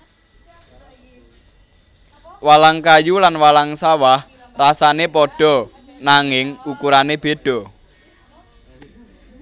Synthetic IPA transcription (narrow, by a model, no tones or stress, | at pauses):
walaŋkajulanwalaŋsawah | rasanepɔɖ̥ɔ̤ | naŋɪŋukuɾaneb̥e̤ɖ̥ɔ̤